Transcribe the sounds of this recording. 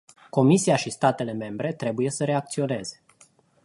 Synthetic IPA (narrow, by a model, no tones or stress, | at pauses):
ko̞misiaʃist̪at̪e̞le̞me̞mbɾe̞t̪ɾe̞buje̞səɾe̞ak̚t̪sio̞ne̞ze̞